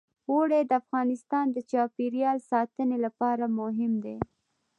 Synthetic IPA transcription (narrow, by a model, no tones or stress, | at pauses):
woɽed̪əafɣɑnɪst̪ɑnd̪ət͡ʃɑpeɾijɑlsɑt̪ənelapɑɾamʊɦɪmd̪e